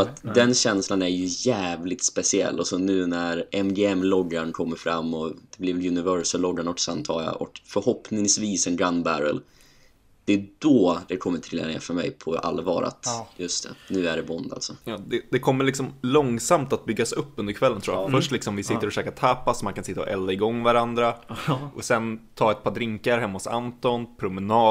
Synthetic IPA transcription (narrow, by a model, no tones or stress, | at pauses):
at̪d̪ɛnɕɛnslanæɾjɵjæːvlɪt̪spɛsɪɛ̰lːɔsɔnʉ̟ːnæɾɛmɡeːɛmːlɔɡːaɳkʰɔmːəɾfɾamːɔd̪̥ɛblɪvlɵnɪvœɾʂəlɔɡːaɳɔksant̪ʰɑ̰ːla̰ʔɔ̰kfœɾhɔpnɪŋsviːsɛnɡɾand̪bæɾə̰l | d̪̥ɛd̪ɔd̪ɛkʰɔmːət̪ʰɾɪla̰ɾɪŋa̰fœɾmɛ̰jpʰɔa̰lvɑ̰ːɾa̰t̪jɵst̪ʰɛnʉ̟ːæɖɛbɔnd̪a̰lsɔjɑːd̪ɛd̪ɛkʰɔmːəɭɪksɔmlɔŋsamt̪at̪̚bʏɡːasɵpːɵnd̪əɾkʰvɛlːənt̪ʰɾuːjafœʂʈlɪksɔmvɪsɪt̪əɾɔfɕøːkat̪ʰapːasɔmankʰansɪt̪ːaɔ̰ʔɛlːaɪɡɔŋːvaɾand̪ɾaʔɔsɛnt̪ʰɑːɛt̪̚pʰɑːd̪ɾɪŋkaɾɦɛmːahʊsa̰nt̪ɔnpʰɾʊmɛnɑː